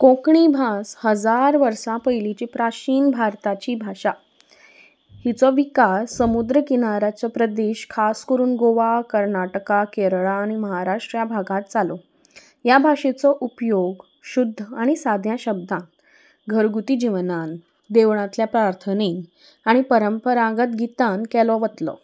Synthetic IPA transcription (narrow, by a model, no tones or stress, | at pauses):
kõkɳibʱashəd͡zaɾʋəɾsãpəjlit͡ɕipɾat͡ɕiːnbʱaɾt̪at͡ɕiːbʱaʂa | hit͡sɔʋikasːəmud̪ɾəkinaɾat͡ɕɔpɾəd̪eɕkʰaskəɾuːnɡoʋakəɾnaʈəkakeɾɭaːɽ̃iməɦaɾaʂʈɾjabʱaɡãt̪̚t͡salɔ | jabʱaʂet͡sɔʔupjoɡ | ɕud̪ʱːəaɽ̃isad̪ʱjãɕəb̚d̪ãn | ɡʱəɾɡut̪id͡ʑiʋnan | d̪eʋɳ̃ãt̪ljapɾaɾt̪ʰəne | aɽ̃ipəɾəmpəɾaɡət̪ɡʱit̪ankɛlɔʋət̪lɔ̰